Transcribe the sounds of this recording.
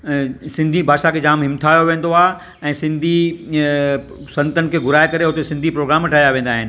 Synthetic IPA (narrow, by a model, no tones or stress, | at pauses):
sɪ̃nd̪ʱibʱaːʃakʰed͡ʑaːmɦɪmt̪ʰaːjoʋẽːn̆d̪oaːɦe | ɛ̃ːsɪ̃nd̪ʱi | sɐ̃nt̪ənɪ̆kʰeːɡʱʊɾaːekɐɾeɦʊt̪esɪ̃nd̪ʱipɾoːɡɾaːmɐʈʰaːjaʋẽːnd̪aːɦɪnɪ̆